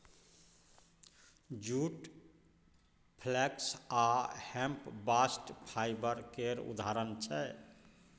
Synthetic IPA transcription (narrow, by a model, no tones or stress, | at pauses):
d͡ʒuʈ | pʰlɛksahɛ̃mpbasʈpʰajbəɾkeɾṵd̪ʱaɾənt͡ʃʰɛ